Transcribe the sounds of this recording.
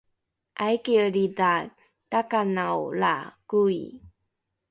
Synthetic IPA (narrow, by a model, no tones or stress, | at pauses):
ʔajkiəɾida | takanawla̰kuḭ